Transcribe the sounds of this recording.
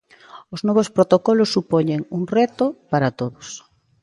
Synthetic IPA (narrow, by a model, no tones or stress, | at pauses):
oznɔβ̞ospɾot̪okɔlosːupoɲeŋuŋrɛt̪opaɾat̪oðos